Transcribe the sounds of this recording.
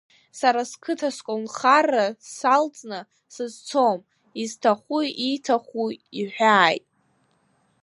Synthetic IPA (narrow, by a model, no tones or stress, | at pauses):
saɾaskʰɨtʰaskʼonχarasalt͡sʼnɨ | sɨzt͡sʰom | iztʰaχʷuitʰaχʷuiħʷᶣaːjtʼ